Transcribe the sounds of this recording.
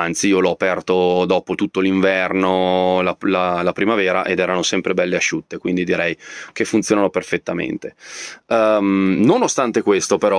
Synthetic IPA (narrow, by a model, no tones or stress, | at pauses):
ant̪siiːolɔapɛrt̪od̪ɔːpot̪ut̪ːoliɱvɛrnolalalapɾimavɛːɾaʔed̪ɛːɾanosɛmpɾebɛlːeaʃːut̪ːekwind̪id̪iɾɛjkefːunt̪joːnanoperfet̪ːamḛnt̪e | mnonost̪ant̪ekwest̪opeɾɔ